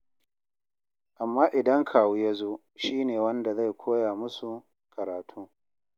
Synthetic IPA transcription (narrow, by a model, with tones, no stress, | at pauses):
ʔa˨mːaː˦ʔɪ˨dɐ˦ŋkʰaː˨wu˦ja˦zoː˦ | ʃiː˦neː˨wɐ˦nda˨za˦˨jkʷʰoː˦jaː˨mʊ˦su˨ | kʰɐ˨ɾaː˨tʰuː˦